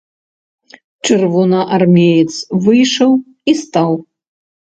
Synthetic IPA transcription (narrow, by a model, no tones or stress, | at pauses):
t͡ʂɨrvɔnɐʔarmʲejɛt̪svɨjʂɐw | ist̪aw